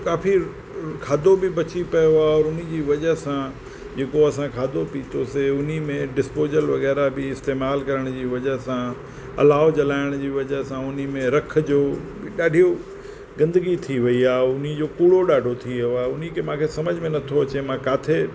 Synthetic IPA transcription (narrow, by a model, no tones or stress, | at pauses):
kaːfi | kʰaːd̪ʱobɪbɐt͡ɕipɐjoaɔːɾʊn̤ĭd͡ʑiːʋɐd͡ʑəɦsã | d͡ʑeːkoɐsãkʰaːd̪ʱopiːt̪ʰoseʊnimẽɖɪspoːzəlʋɐɣɛːɾabɪɪst̪eːmaːlkɐɾəɽ̃d͡ʑiːʋɐd͡ʑəɦsã | ɐ̰laːɦot͡ɕɐlaːɪɽ̃d͡ʑiːʋɐd͡ʑəɦsãʊnimẽɾɐk̆ʰd͡ʑoːbɪɗaːɖʱijo | ɡɐ̃nd̪əɡit̪ʰiʋɐiaːɦʊnid͡ʑoːkuːɽoɗaːɖʱot̪ʰioaːʊn̤ikʰemãːkʰesɐməd͡ʑʱmẽnɐt̪ʰoɐt͡ɕemãkaːt̪ʰe